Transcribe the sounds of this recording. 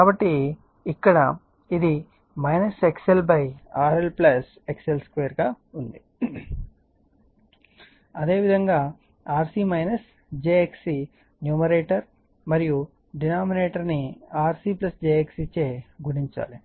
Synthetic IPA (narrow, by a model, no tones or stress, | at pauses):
kaːbɐʈːi | ikːɐɽɐ | id̪i | mɐjnɐsekselbɐjaːɾelplɐs | ekselskʋeːɐɾɡaː | und̪i | ɐd̪e̞ːʋid̪ʱɐŋɡaː | aːɾsiːmɐjnɐs | d͡ʒeːeksi | njuːmɐɾeːʈɐɾ | mɐɾiju | ɖinaːmineːʈɐɾniaːɾsiːplɐsd͡ʒeːeksit͡ʃeːɡuɽiɲt͡ʃa̰ːli